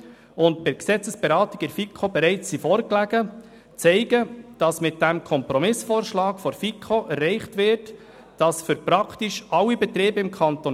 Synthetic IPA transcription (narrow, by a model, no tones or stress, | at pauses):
ʊntpɪɾksɛt͡səsb̥ɛɾɑːtɪɡɪɾfikʰχobɛɾɛɪt͡sːifɔːɾklæɡ̥ə | t͡sɛɪɡəd̥ɑsmɪt̚d̥æmkʰɔmpɾɔmɪsfɔːɾʃlɑːkfɔɾfikʰoʔɛrːɛɪχtʋɪɾt | d̥ɑsfʏɾpɾɑktiʃʔɑlːibɛt̪ɾeːbəɪmkʰɑnt̪on